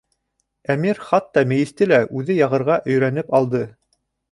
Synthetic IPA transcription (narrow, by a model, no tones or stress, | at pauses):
æmiɾχɑt̪ːɑmɘ̆jɘ̆st̪ɘlæʔʉðɘjɑʁɤ̆ɾʁɑʔɵ̆jɾænɘpɑlˠd̪ɤ